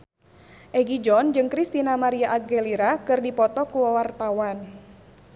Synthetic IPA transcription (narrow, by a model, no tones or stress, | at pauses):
ʔɛɡid͡ʒɔnd͡ʒɨŋkɾist̪inamaɾiaʔaɡeliɾakɨrdipɔt̪ɔkuwawart̪awan